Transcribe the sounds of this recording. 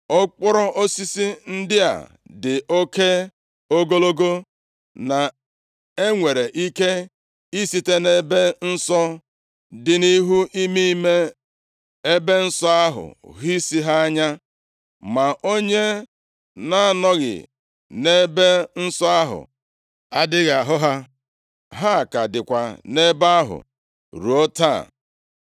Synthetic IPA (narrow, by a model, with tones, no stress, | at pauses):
ɔ˦k͡pʊ˦ɾɔ˦ʔo˦si˦si˦n̩˦dɪ˦a̰˨ | dɪ˨ʔo˦ke˦ | o˦ɡo˦lo˦ɡo˦ | na˨ | e˦ŋʷe˨ɾe˨ʔi˦ke˦ | i˦si˦te˦ne˦be˦n̩˦sɔ˦ | dɪ˨ni˦ɦu˦ʔi˦mi˦i˦me˦ | e˦be˦n̩˦sɔ˦a˦ɦʊ̰˨ɦi˦si˦ɦa˦a˦ɲa˦ | ma˨ʔo˦ɲe˦ | na˦a˨nɔ˦ɣɪ̰˨ | ne˦be˦n̩˦sɔ˦a˦ɦʊ̰˨ | a˦dɪ˦ɣa˨a˨ɦʊ˦ɦa˦ | ɦa˦˨ka˨dɪ˨kʷa˨ne˦ba˦a˦ɦʊ̰˨ | ɾu˨o˦ta̰˦˨